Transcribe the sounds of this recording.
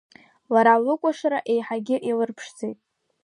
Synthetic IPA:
laɾalɨkʷʼaʂaɾaʔe̞jħaɡʲɪʔilɨrpʰʂd͡zejtʼ

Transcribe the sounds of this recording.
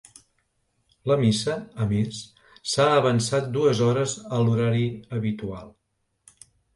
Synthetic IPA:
ləmisəəmis | saəβənsat̪̚d̪uəzɔɾəzəluɾaɾiəβit̪ualˠ

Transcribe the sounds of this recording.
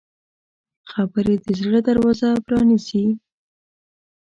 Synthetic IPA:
xabəɾed̪əzɽəd̪aɾwɑzapɾɑnisi

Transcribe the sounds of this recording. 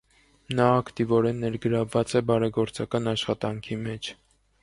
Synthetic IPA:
nɑːkt̪ivɔɾɛnːɛɾɡəɾɑvːɑt͡sɛbɑɾɛɡɔɾt͡sɑkɑnɑʃχɑt̪ɑŋkʰimɛt͡ʃʰ

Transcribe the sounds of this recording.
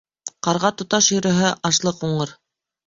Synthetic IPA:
qɑɾʁɑt̪ŏt̪ɑʃjɵ̆ɾɵ̆ɦɘʔɑʃlˠɤquɴɤɾ

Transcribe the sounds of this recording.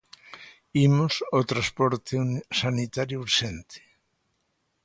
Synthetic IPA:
imosot̪ɾaspɔɾt̪esanit̪aɾjuuɾʃent̪ʰe̥

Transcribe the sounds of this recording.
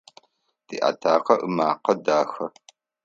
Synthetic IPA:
d̥iːʔa̰tʰaːqɐʔɨmaːqɐdaːxɐ

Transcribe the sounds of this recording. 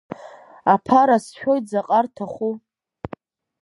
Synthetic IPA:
apʰaɾasʃᶣo̞jt̚d͡zaqʼartʰaχʷu

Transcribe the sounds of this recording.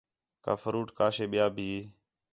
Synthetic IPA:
ka̰ːfəɾuːʈkaːʃeːɓɪjaːbʱiː

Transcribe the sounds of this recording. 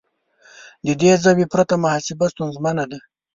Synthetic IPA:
d̪əd̪ezawipɾat̪amahasɪbast̪unzmanad̪a

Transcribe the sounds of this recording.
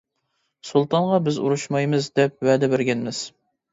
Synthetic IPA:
sulˠt̪ɑnʁɑbɪzṵɾuʃmɑjmɨzd̪ɛp̚wæd̪ɛbɪɾɡʲɛnmɪz̥

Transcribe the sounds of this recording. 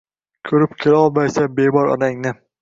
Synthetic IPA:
kʲʰɵɾɪp̚kʲʰelaɒlˠmajsabebɒɾɒ̰d̪aŋnɪ

